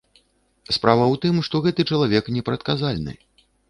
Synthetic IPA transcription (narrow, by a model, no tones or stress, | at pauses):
spɾʔavɐwt̪ɨmʂt̪ɔɣɛt̪ɨt͡ʂɐlˠavʲɛknʲɛpɾɐt̪̚kazalʲnɨ̰